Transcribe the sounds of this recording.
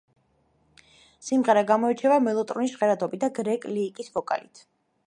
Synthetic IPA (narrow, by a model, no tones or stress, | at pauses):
simʁɛɾaɡamɔɛt͡ʃʰɛvamɛlˠɔt̪ʼɾɔniʃʁɛɾat̪ʰɔbid̪aɡɾɛkʼliːkʼisvɔkʼa̰lit̪ʰ